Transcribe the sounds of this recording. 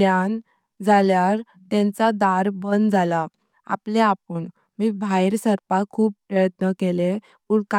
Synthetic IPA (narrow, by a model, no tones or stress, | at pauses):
an | d͡zʱaljaɾ | t̪ɛ̃nt͡sad̪aɾbənd͡zʱala | a̰pleapuɳ | miːbʱajɾsəɾpakʰuːppːɾəjət̪nəkele | uɽka